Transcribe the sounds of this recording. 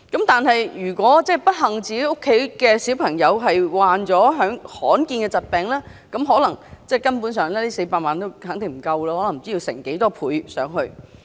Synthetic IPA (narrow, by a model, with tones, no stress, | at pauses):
kɐ˨˥mt̪aː˨nɦɐ˨jjyː˨˩kʷwɔː˨˥t͡sɛː˥˩pɐ˥t̚ɦɐ˨˩ŋt͡siː˨ke˧˥jo˥kʰːe˨˥jkɛː˧siː˨˥wpʰɐ˨˩ŋjɐ˨˧wɦɐ˨jwaː˨nt͡sɔː˨˥ɦœː˨˥ŋhɔː˨˥nkiː˧nkɛ˧t͡sɐ˨t̚pɛː˨ŋlɛː˥ | kɐ˨˥mɦɔː˨˥lɐ˨˩ŋt͡sɛː˥˩kɐ˥npuː˨˥nsœː˨˧ŋlɛː˥liː˥se˧jpaː˧t̚maː˨nt̪o˥whɐː˨˥ŋt̪ɪ˨ŋm̩˨˩kɐ˧wlaː˧hɔː˨˥lɐ˨˩m˨˩t͡si˥iː˧wsɪ̰˨˩ŋke˨˥jt̪ɔː˥pʰuː˨˧jsœː˨˥ŋɦɵ˧ɥ